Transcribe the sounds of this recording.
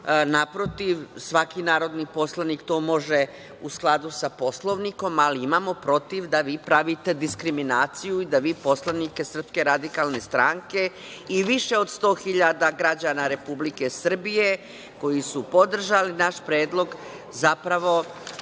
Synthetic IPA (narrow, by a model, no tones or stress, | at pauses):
napɾo̞t̪iʋsʋakinaːɾo̞d̪nipo̞slˠanikt̪o̞ːmo̞ʒe̞ | usklˠad̪usapo̞slˠo̞ʋniko̞maliimaːmo̞pɾo̞t̪iʋd̪aʋiːpɾaʋit̪e̞d̪iskɾiminaːt̪sijuid̪aʋiːpo̞slˠanike̞sr̩pske̞ɾad̪ikalˠne̞st̪ɾaŋke̞ | iʋiʃe̞o̞d̪st̪o̞ːxiʎad̪aɡɾad͡ʑanaɾe̞publike̞sr̩bije̞ | ko̞jisupo̞d̪r̩ʒalinaʃpɾeːd̪lˠo̞ɡ | zapɾaʋo̞